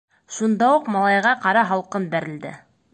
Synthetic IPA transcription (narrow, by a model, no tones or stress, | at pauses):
ʃund̪ɑuqmɑlˠɑjʁɑqɑɾɑɦɑlˠqɤnbæɾɘ̆ld̪ɘ̰